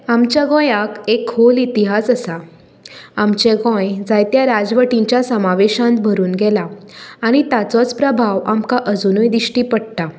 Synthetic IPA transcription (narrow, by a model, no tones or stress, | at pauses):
amt͡ɕjaɡɔ̃jakekholit̪iɦasəsa | amt͡ɕeɡɔ̃jd͡zajt̪jaɾad͡zʋəʈĩɲt͡ɕjasəmaʋeɕãnt̪̚bʱəɾuːnɡɛlaːɽ̃it̪at͡sɔt͡spɾəbʱaʋamkaʔəd͡zunujd̪iɕʈiːpəɽt̪a